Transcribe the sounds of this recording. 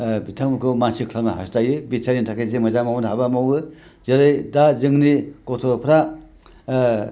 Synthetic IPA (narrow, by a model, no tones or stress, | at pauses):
bitʰamukʰomansikʰlamaɦa̰stajɯbisʰaɾintʰakʰesemɐzamawnɦabamawɯ | zeɾajdazɯŋnikot̪ʰopʰɾa